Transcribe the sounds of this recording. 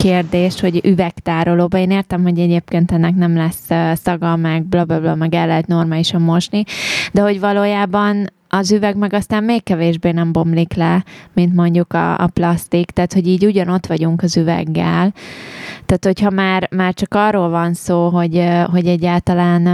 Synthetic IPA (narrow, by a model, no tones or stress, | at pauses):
keːrd̪eːʃho̞ɟyvɛkt̪aːɾoloːbɒeːneːrt̪ɛmɦo̞ɟɛɟeːp̚keːnt̪ɛnːɛknɛmlɛsøːsɒɡɒmɛɡ̚blɒblɒblɒmɛɡɛlːɛɦɛt̪no̞rmaːliʃɒmːo̞ʃnid̪ɛɦo̞ɟvɒloːjaːbɒn | ɒzyvɛɡmɛɡɒst̪aːmmeːkːɛveːʒbeːnɛmbo̞mliklɛmint̪mo̞ɲɟukɒ̰ːplɒst̪ikt̪aːt̪ho̞ɟiːɟuɟɒno̞t̪ʋɒɟuŋkɒzyvɛ̰ɡːɛ̰l | t̪aːt̪ho̞chɒmaːrmaːrt͡ʃɒkɒrːoːlvɒnsoːɦo̞ɟɦo̞ɟɛɟːaːlt̪ɒlaːn